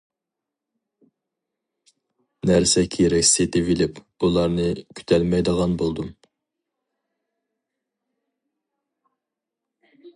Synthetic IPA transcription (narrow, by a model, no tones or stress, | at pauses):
næɾsɛkʲʰeɾɛkʲset̪ʰɪvilɪp | ulˠɑɾnɨkʲʰy̥t̪ʰɛlmɛjd̪əʁɑnbolˠd̪um